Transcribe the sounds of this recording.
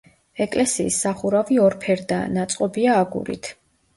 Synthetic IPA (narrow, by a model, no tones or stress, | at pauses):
ɛkʼlɛsiːsːaχuɾaviɔɾpʰɛɾd̪a̰nat̪sʼqʼɔbiaːɡṵlḭt̪ʰ